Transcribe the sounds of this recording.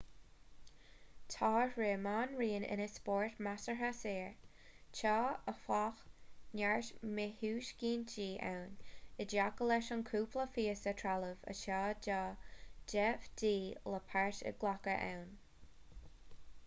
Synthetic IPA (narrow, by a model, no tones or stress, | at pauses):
t̪ʰɑːɹeːmaːnɹiːənɪ̰nəspɔɹtmasəɦaseːɹ | t͡ʃʰɑːəfaxnaɹʃmɪhuːʃɡiːnd͡ʒiːʔa̰wnɪdjakəlɛʃɔnkʰuːpləfiːəsətʰɹaləvə̰ʃɑːd͡ʒɑːd͡ʒɛfdiːləpʰaɹʃə̰ɡlakəʔa̰wn